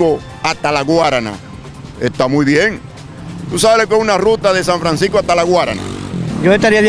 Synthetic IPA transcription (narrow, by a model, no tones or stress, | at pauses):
o | ast̪alaɣwaɾana̰ | est̪amujβjeŋ | t̪usaβelokeunarut̪aðe̞s̬ãɱfɾans̬ihkoaht̪alaɣwaɾa̰na̰d͡ʒoest̪aɾiað